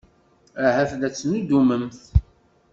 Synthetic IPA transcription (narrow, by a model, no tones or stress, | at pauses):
ahæθðæt͡sːnud̪uməmθ